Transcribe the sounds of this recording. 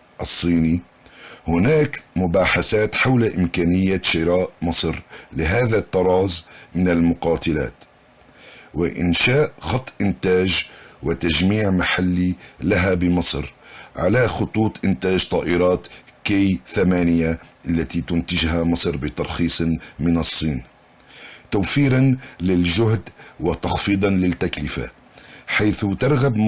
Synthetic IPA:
ʔɑsˤːiːni | hʊnaːkmʊbaːħaθaːt̪ħawlaʔɪmkaːnɪjːaʃɪɾaːʔmɑsˤɾlɪɦaːðat̪ːɑɾˤɑːzmɪnalmʊqɑːt̪ɪla̰ːt̪ | wɪʔɪ̰nʃaːʔxɑt̪ˤːʔɪnt̪aːʒwɪt̪aʒmiːʕmaħalːilaɦabɪmɑsˤɾʕa̰laxʊt̪ˤuːt̪ˤʔɪnt̪aːʒt̪ˤɑːʔɪɾˤɑːt̪kejθamaːnɪjaʔalːat̪it̪ʊnt̪ɪʒɦamɑsˤɾbɪt̪ɑɾˤxiːsˤmɪnɑsˤːiːn | t̪awfiːɾanlɪlʒʊhd̪wɪt̪ɑxfiːd̪ˤɑnlɪt̪ːaklɪfa̰ | ħajθt̪ɑɾˤɣab

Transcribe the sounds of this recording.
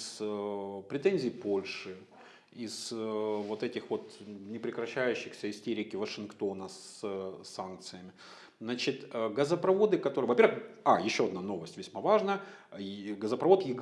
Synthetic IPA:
s | pɾʲɪt̪enʲzʲijːpo̞lʲʂɨ | isvo̞t̪ɛtʲɪxvo̞t̪nʲɪpɾʲɪkɾɐɕːæjʉɕːɪxsʲəɪsʲtʲeɾʲɪkʲɪvəʂɨnkt̪o̞nəssank̚t̪sɨjəmʲɪ | nat͡ɕɪt̪əɡəzəpɾɐvo̞d̪ɨkɐt̪o̞ɾɨjəvɐpʲervɨxajɪɕːo̞ɐd̪nano̞vəsʲtʲvʲɪsʲmavaʐnə | ɡəzəpɾɐvo̞t̪jɪ

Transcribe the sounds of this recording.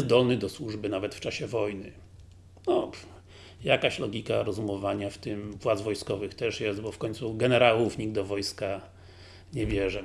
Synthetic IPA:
ɛzd̪ɔlnɘd̪ɔswuʐbɘnavɛt̪ft͡ʂaɕɛvɔjnɘ | nɔ | jakaɕlɔɡʲikaɾɔzumɔvaɲaft̪ɪmvwad̪zvɔjskɔvɘxt̪ɛʂjɛst̪̚bɔfkɔɲʲt̪suɡɛnɛɾawufɲiɡd̪d̪ɔvɔjska | ɲɛvʲjɛʐɛ

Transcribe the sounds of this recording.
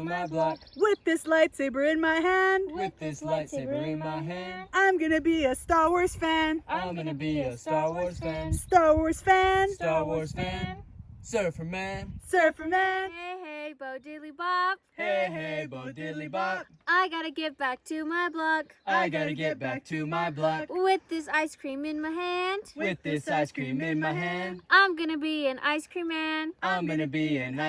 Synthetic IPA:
maɪblʌkwɪðɪslaɪtseɪbə˞ɪ̃nmaɪɦæ̃ndwɪððɪslaɪtseɪbə˞ɪ̃nmaɪɦæ̃ndãɪ̃mɡʌnɨbiɨstɑɹwɔɹz̥fæ̃nãɪ̃mɡʌnɨbiɨstɑɹwɔɹz̥fæ̃nstɑɹwɔɹz̥fæ̃ntɑɹwɔɹz̥fæ̃nsɜ˞fə˞mæ̃nsɜ˞fə˞mæneheboʊdelˠibɑb̚heɦeɪboʊdɪlˠibɑb̚aɪɡɑɾɨɡɛbæk̚tʰɨmaɪblʌkaɪɡɑɾɨɡɛt̚b̥æk̚tʰɨmaɪblʌkwɪðɪsaɪskʰɹ̥ĩmɨ̃nmaɪhæ̃nd̥wwɪðɪsaɪskʰɹ̥ĩmɪ̃nmaɪɦæ̃ndʔãɪ̃mɡʌnɨbiɨ̃nʔa̰ɪskʰɹ̥ĩmːæ̃nãɪ̃mɡʌnɨbiɨ̃na

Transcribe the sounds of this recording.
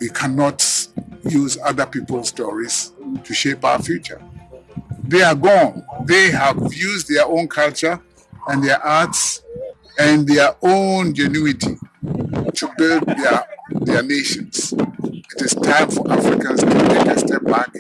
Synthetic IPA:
wikʰænɔtjuzʌðəpipəl̩stɔɹiz̥tʰuʃepa̰ʊəfjut͡ʃə̰ | ðeaɡɔ̃nðeəvjuzðɛõʊ̃nkʰalˠt͡ʃə˞ | ə̃nðɛʔats | ɨ̃nðɛõnd͡ʒɛnuɪtʰi | tʰubɪld̚ɛðɛneʃə̃nsɪtɪz̥tʰãɪ̃mfɔʔafɹɪkə̃nstʰutʰekəstɛp̚b̥æk

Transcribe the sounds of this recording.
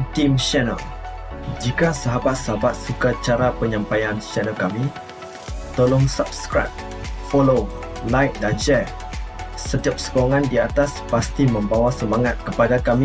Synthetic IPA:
timʃɛnə̰l | d͡ʒikasaɦabat̪̚saɦabat̪̚sukat͡ʃaɾapəɲãmpajanʃɛnəlkami | t̪olʊŋsap̚skɾa̰t̚ | folo | lajt̪̚dand͡ʒɛ | sət̪iap̚sə̥koŋãndiat̪aspast̪imə̃mbawasəmãŋat̪̚kəpadakamĩ

